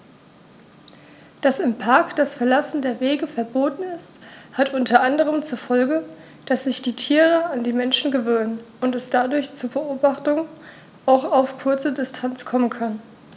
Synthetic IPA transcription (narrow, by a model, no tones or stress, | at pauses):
d̥asɪmpʰaɐkd̥asfɛɐlasn̩deːɐveːɡəfɛɐboːtn̩ɪsthatʔʊntʰɐʔandəʁ̞əmt͡suːɐfɔlɡə | d̥asz̥ɪçd̥iːtʰiːʁəandiːmɛnʃn̩ɡəvøːnən | ʊntɛsd̥adʊɐçt͡suːɐbəʔoːbaχtʊŋ | aʊxaʊfkʰʊɐt͡sədɪstʰant͡skʰɔmənkʰan